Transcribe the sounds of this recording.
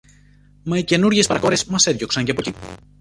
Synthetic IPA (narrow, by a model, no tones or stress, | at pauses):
mɐice̞nuɾʝespɐɾɐko̞ɾesmɐse̞ðʝo̞ksɐɲceɐpo̞ci